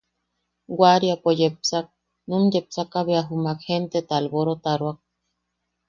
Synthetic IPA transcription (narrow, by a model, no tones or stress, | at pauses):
ɡwaɾjapojepsak̚ | numjep̚sakaβeaɦumakhent̪et̪alboɾot̪aɾwak̚